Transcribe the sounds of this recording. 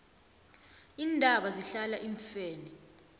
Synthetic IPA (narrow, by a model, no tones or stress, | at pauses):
iːndʱaɓaziɬalaʔiɱfɛːnɛ